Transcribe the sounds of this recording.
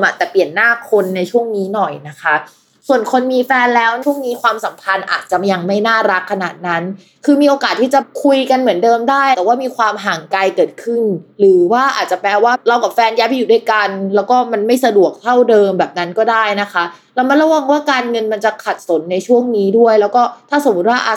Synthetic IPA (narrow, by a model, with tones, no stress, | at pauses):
mʔa˧˩t̪ɛː˨˩pi˨˩ənːaː˥˩kʰo˧nːa˧jt͡ɕʰu˥˩əŋniː˦˥nɔ˨˩jna˦˥kʰa˦˥ | su˨˩ənkʰo˧nmiː˧fɛː˧nlɛː˦˥wt͡ɕʰu˥˩ŋniː˦˥kʰwaː˧msa˩˦mpʰa˧nʔa̰ː˨˩t̪̚t͡ɕa˨˩ja˧ŋma˥˩jnaː˥˩ɾa˦˥kʰːa˧naː˨˩t̪̚na˦˥n | kʰɯː˧miː˧ʔoː˧kaː˨˩t̪ʰːiː˥˩t͡ɕa˨˩kʰu˧jka˧nmɯ˩˦əndɤː˧mdaː˥˩j̪ɛ˨˩waː˥˩miː˧kʰwaː˧mɦaː˩˦ŋka˧jkɤː˨˩t̪̚kʰɯ˥˩nɾɯː˩˦waː˥˩ʔa̰ː˨˩t̪̚t͡ɕa˨˩pɾɛː˧waː˥˩ɾa˧wka˨˩fɛː˧nja˦˥pʰa˧juː˨˩duː˥˩jka˧nlɛː˦˥wkɔː˥˩ma˧nma˥˩jsa˧du˨˩ək̚t̪ʰa˥˩wdɤː˧mbɛː˨˩p̚na˦˥nkɔː˥˩daː˥˩jna˦˥kʰa˦˥ | lɛː˦˥wma˧˥nɾa˧wa˧ŋwaː˥˩kaː˧nŋɤ˧nma˧nt͡ɕa˨˩kʰa˨˩t̪̚so˩˦nːa˧jt͡ɕʰu˥˩əŋniː˦˥du˥˩əjlɛː˦˥wkɔː˥˩t̪ʰaː˥˩so˨˩˦mːu˦˥t̪̚waː˥˩ʔ